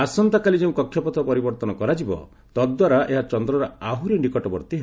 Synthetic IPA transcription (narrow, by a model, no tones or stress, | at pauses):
asɔnt̪akalid͡ʒeũkɔkʰːjɔpɔt̪ʰɔpɔɾibɔɾt̪ɔnɔkɔɾad͡ʒibɔ̰ | t̪ɔd̚d̪waɾaʔeɦat͡ʃɔnd̪ɾɔɾɔaɦuɾinikɔʈɔbɔɾt̪iɦe